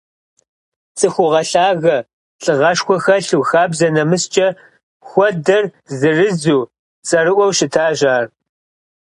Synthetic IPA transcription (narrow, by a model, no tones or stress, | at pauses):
t͡sʼɨxʷʊʁɐɬaːɣɐ | ɬʼɨʁɐʃxʷɔxɐɬuwxaːbzɐnɐmɨst͡ʃʼɐ | xʷɔdɐr | zɨrɨzuː | t͡sʼɐɾɨʔʷɔwʃɪtʰaːʒaːr